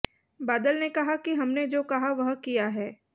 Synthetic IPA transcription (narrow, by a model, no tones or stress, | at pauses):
baːd̪əlnekɐɦakiɦɐmned͡ʒoːkɐɦaʋɐɦkijaɦɛː